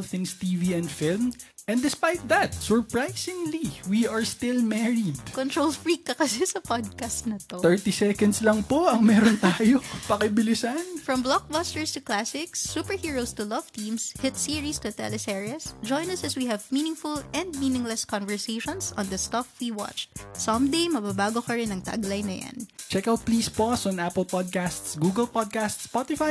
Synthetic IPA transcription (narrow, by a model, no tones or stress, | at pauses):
lθɪ̃ŋst̪iviɛ̃nd̪fɪlmɛ̃nd̪ɪspajt̪̚ðɐt̪̚sɔɹpɹajsɪ̃ŋliwiɐɹst̪ɪlmɛɹid̪kɔ̃nt̪ɹolfɹikːɐkɐsɛsɐpɔd̪̚kast̪nɐt̪ot̪ɛɹt̪isɛkɐnd̪slɐŋpoɐŋmɛːɾont̪aːjopɐkɪbɪlɪsanfɹɔ̃mblɔk̚bast̪ɛɹst̪ʊklasɪksːuːpəɹhiːɹowst̪ʊlʌv̥t̪ĩmshɪt̪siɹist̪ʊt̪ɛ̰lɛsɛɹiɐsd͡ʒɔ̃jnɐsɐswihɛvmĩːnɪ̃ŋfʊlɛ̃nd̪̚miːnɪ̃ŋlɛskɔnvɛɹseʃɔ̃nsɔ̰̃nd̪ɐst̪ɐfwiwɑ̰t͡ʃt̪̚sɐ̃md̪ejmɐbabaːɡokɐɹɪnɐŋt̪a̰ɡlɐjnɐja̰nt͡ʃɛkawt̪̚pliːsposɔ̃napəlpɔd̪̚kast̪sɡuːɡɛlpɔd̪̚kast̪spɔt̪ɪfaj